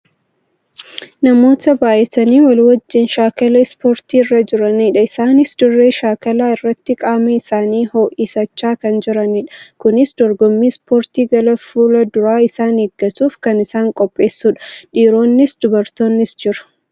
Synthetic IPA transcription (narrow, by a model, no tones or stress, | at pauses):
nɐmo̞ːt̪ɐbaːʔɛt̪ɐniːwɐlwɐd͡ʒːɪnʃaːkɐlɐspo̞ːɾt̪iːɪrːɐd͡ʒɪɾɐniᶑɐɪsaːnɪsd̪ʊrːe̞ːʃaːkɐlaːɪrːɐt̪ːɪkʼaːmɛɪsaːniːho̞ːʔisɐt͡ʃːaːkɐnd͡ʒɪɾɐniᶑɐ̥kʊnɪsd̪ɔɾɡɔmːiːspoːɾt̪iːɡɐlɐfuːlɐd̪ʊɾaːɪsaːneːɡːɐt̪uːfkɐnɪsaːŋkʼɔpʼːe̞ːsːuːᶑɐ̥ᶑiːɾo̞ːnːɪsd̪̥ʊbɐɾt̪o̞ːnːɪsd͡ʒɪɾɐ̥